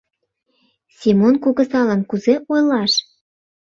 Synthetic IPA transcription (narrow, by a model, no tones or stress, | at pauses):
sʲimonkuɣə̆sɑlə̆nkuzeʔojlɑʃ